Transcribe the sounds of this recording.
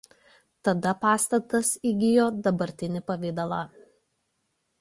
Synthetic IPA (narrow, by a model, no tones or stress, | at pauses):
t̪ɐd̪ɐpɑːst̪ɐt̪ɐsiɡʲɪjoːd̪ɐbɐɾʲt̪ʲɪnʲɪpɐʋʲɪd̪ɐlˠɑː